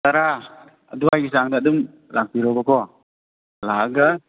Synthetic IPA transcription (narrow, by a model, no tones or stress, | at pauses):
t̪aɾa | a̰duaɡis̬aŋdaʔdum | laŋ̚piɾɔkɔkɔ | laɡa